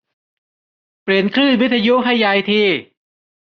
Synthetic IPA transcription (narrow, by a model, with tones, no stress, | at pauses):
pɾi˨˩ənkʰɾɯː˥˩wi˦˥t̪̚ʰːa˧ju˦˥ɦa˥˩jːa˧jt̪ʰiː˧˩